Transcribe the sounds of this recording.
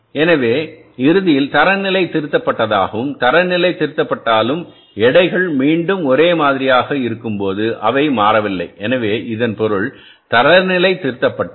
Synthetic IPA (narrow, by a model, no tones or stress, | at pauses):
ɛnɐʋeː | ɪɾɯðɪjɪlt̪ɐɾɐnɪlɐɪt̪ɪɾɪt̪ːɐpːɐʈːɐðaːɣɐʋɯmt̪ɐɾɐɾnɪlɐɪt̪ɪɾɪt̪ːɐpːɐʈːaːlɯm | ɛɽɐɪɣɐɭmiːɳɖɯmɔɾeːmaːðɪɾɪjaːɣɐɪɾɯkːɯmpoːðɯʔɐʋɐɪmaːɾɐʋɪlːɐɪʔɛnɐʋeːʔɪðɐnpɔɾɯɭ | t̪ɐɾɐɾnɪlɐɪt̪ːɪɾɪt̪ːɐpːɐʈː